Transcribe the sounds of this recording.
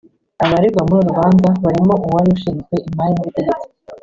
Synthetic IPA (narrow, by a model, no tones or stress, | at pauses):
aβaɾiɡwamuɾiɾuβaːnzaβaɾimo̞ʔuwaɾiuʃiɾzwe̞ʔimajimuβiteɡet͡si̥